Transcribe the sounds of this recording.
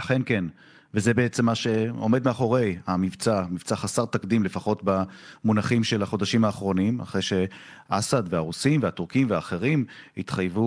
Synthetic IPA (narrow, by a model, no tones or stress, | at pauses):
aχe̞nke̞n | vezebe̞et͡se̞mːaʃe̞o̞̰me̞d̪meaχo̞ʁe̞jamivt͡samivt͡saχasaʁt̪akd̪imle̞faχo̞tbamunaχimʃe̞laχo̞d̪aʃimaːχʁo̞nima̰χʁejʃe̞ | ʔasad̪veaʁusimveatuʁkimveaːχe̞ʁimit̪χajvu